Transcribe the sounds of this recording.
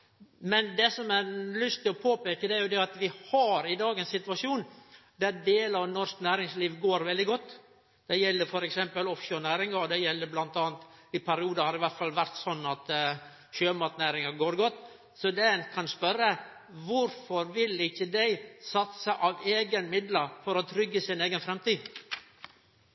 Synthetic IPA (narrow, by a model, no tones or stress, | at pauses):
mɛnd̪ɛsɔmɛɾlʏst̪ɪlɔpʰoːpeːkəd̪ɛæɾjʊd̪ɛɑt̪ʋɪhɑɾɪd̪ɑːɡəɛnsɪt̪ʉʋɑʂuːnd̪æɾɖeːlɑʋnɔɾʂknæːɾɪŋsliːʋɡoːɾʋɛld̪ɪɡɔt̪ː | d̪̥ɛjɛlːəɾfɔɾɛksɛmpəlɔfʃøːɾnæːɾɪŋɑɾd̪ɛjɛlːəɾblɑnt̪ɑːnt̪ɪpʰæɾɪuːd̪əhɑɾɪʋæɾt̪fɑlʋæɾt̪sɔnːɑt̪ | ɕøːmɑt̪næːɾɪŋɑɡoːɾɡɔt̪ː | sɔd̪ɛnkʰɑnspœɾːə | ʋʊɾfɔɾʋɪlɪçːəd̪æɪsɑt̪səʔɑʋeːɡənmɪd̪ləfɔɾɔt̪ʰɾʏɡːəsɪneːɡənfɾɛmt̪iː